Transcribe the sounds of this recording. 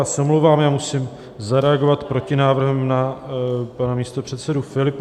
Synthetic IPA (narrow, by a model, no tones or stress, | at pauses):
aːsɛomlowvaːmjaːmusiːm | zaɾɛaɡo̞vat̪pɾo̞cɪnaːvr̩ɦɛmna | panamiːst̪o̞pr̝̥ɛt̪sɛdufɪlɪp